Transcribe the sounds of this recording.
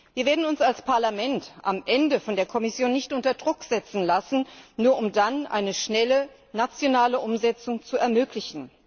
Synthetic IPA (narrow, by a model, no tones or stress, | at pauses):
viːɐveːɐdn̩ʊnsalspʰaɐlamɛntʔa̰mʔɛndəfɔndeːɐkʰɔmɪsjoːnːɪçtʔʊntɐdʁʊkz̥ɛt͡sn̩lasn̩nuːɐʔʊmdanʔa̰ɪnəʃnɛlə | nat͡sjonaːləʔʊmzɛt͡sʊŋt͡suɛɐmøːklɪçn̩